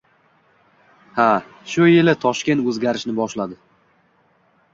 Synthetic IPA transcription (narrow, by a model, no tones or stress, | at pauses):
ha | ʃʊjɪlɪt̪ʰɒʃkʲe̞nt̪ɵzɡʲaɾɪʃnɪbɒʃlad̪ɪ